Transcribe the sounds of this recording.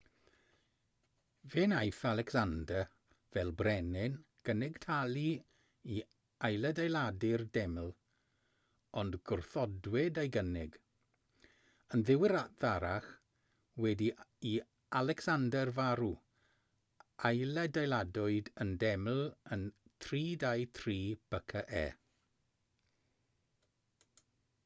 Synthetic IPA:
veːnajθalˠɛksandə | vɛlˠbrɛnɪnɡ̥ənɪɡ̥tʰalˠi | i | ajlˠədajlˠadɪrdɛmlˠ | ɔndɡ̥ʊrθɔdwɛdajɡənɪɡ | ənðɪwɪɾaðaɾaχ | wɛdii | alɛksandərvaɾu | ajlɛdajladɔɨdəndɛml̩ˠəntʰriːdajtʰriːb̥əkʰəʔɛ̰ː

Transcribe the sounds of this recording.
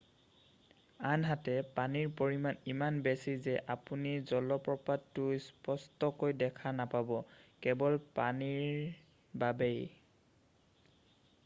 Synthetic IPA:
anɦatɛpaniɹpoɹimanimanbesizɛʔapunizɔlɔpɹɔpadtːʊjspɔstɔkojdɛkʰanapabɔkɛbɔlpaniɹ | babej

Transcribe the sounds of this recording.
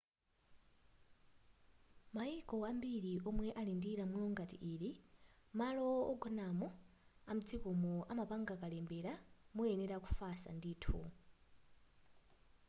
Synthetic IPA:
maikɔambiɾiʔɔmwɛʔalindiɾamulɔŋɡatḭʔiːlimalɔɔɡɔnamɔam̩d͡zikɔmɔʔamapaŋɡakalɛmbɛɾamuɛnɛɾaku̥fasa̰ndiːtʰṵ

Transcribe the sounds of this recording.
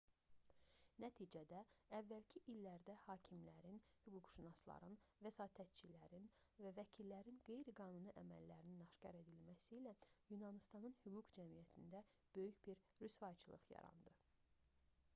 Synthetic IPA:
næt̪ʰiːd͡ʒæd̪æævːælcʰiʔilːæɾd̪æhɑːcʰimlæɾinhyɡuɡʃunɑslˠɑ̰ɾɯnvæsɑːt̪ʰæt̪̚t͡ʃʰilæɾin | vævæcʰilːæɾinɡe̞jɾiɡɑːnuniʔæmæ̰lːæɾininɑʃcɑ̰ɾe̞d̪ilmæsiːlæjunɑnist̪ɑnɯnhyɡuɡd͡ʒæmijæt̪ʰind̪æ | b̥ø̞jyçb̥iɾ | ɾysvɑt͡ʃʰɯlˠɯ̰χjɑ̰ɾɑ̰nd̪ɯ

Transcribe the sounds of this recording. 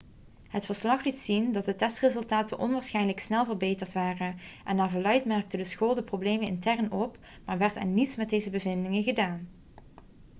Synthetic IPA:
ɦətfəɹslɑχlitsindɑt̚dətɛstrɪzɵlˠtaːtənʔɔ̰nʋaːɹsχɛjnləksnɛlˠvəɹbejtəɹtʋaːrənʔɛndaːɹvoːlœɥtmɛrk̚tədəsxoːlˠdəprowblejmənɪ̰ntɛrnɔp | maːɹʋɛɹta̰nnitsmɛt̚dejzəbəvɪndɪŋəɣədaːn

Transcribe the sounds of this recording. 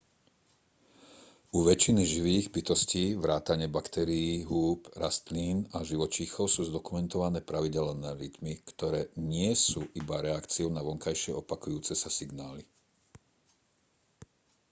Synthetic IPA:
uʋɛt͡ʃiniʒiʋiːɣbit̪ɔsciːʋɾaːt̪aɲɪɛbakt̪ɛɾiiːɦuːpɾast̪liːnaʒiʋɔt͡ʃixɔʊsuːzd̪ɔkumɛnt̪ɔʋanɛːpɾaʋiɟɛlɔnɛːɾit̪mikt̪ɔɾɛːɲɪɛsuːʔibaɾɛakt͡siɔʊnaʋɔŋkajʃɪɛɔpakujuːt͡sɛsasiɡnaːli

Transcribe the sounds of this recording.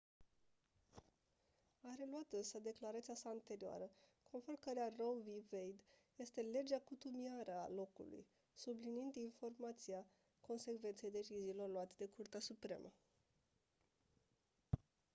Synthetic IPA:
aɾe̞luat̪ɨnsəd̪e̞klaɾat̪sijasaːnt̪e̞ɾioa̰ɾəkʰo̞nformkəɾearo̞vivejd̪je̞st̪e̞le̞d͡ʒeakut̪umiaɾəa̰lo̞kṵlṵj | subliniind̪info̞rmat̪sia | ko̞nse̞kve̞nt̪se̞jd̪e̞t͡ʃiziːlo̞rluat̪ed̪e̞kurt̪easupɾe̞̰mʔə

